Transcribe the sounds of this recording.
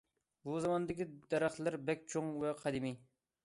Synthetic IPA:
buzɑmɑnd̪ɨkʲid̪ɛɾæχlˠɪɾbɛkʲt͡ʃʰoŋvɛqʰɑd̪ɪmi

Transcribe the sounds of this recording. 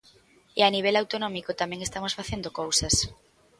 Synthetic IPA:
ɪaniβ̞elawt̪onɔmikot̪amɛ̃ŋest̪amosfaθend̪okowsɐs

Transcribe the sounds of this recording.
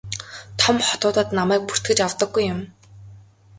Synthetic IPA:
t̪ʰɔmχɔt̪ʊːt̪ə̆t̪namæːk̚pur̥t̪ɡɘ̆t͡ɕawt̪ə̆ɡːujːʊm

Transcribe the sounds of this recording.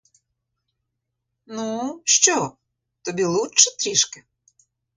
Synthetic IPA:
nuʃt͡ʃɔ | t̪ɔbʲilˠut͡ʃɛt̪ɾʲiʃkɪ

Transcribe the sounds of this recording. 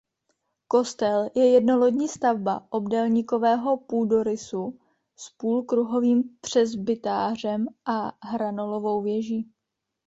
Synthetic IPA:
ko̞st̪ɛljɛjɛdno̞lo̞dɲiːst̪avba̰ʔobdɛlɲiko̞vɛːɦo̞puːdo̞ɾɪsu | spuːlkɾuɦo̞viːmpr̝̥ɛzbɪt̪aːr̝ɛmʔaɦɾano̞lo̞vo̞wvjɛʒiː

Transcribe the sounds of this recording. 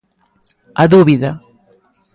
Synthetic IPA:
aðuβiða

